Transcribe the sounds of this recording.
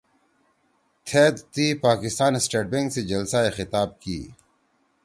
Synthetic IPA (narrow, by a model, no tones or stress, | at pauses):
t̪ʰeːd̪t̪iːpaːkɪst̪aːnsʈeːʈ̚bẽŋɡsed͡ʑɐlsaexɪt̪aːb̚kḭː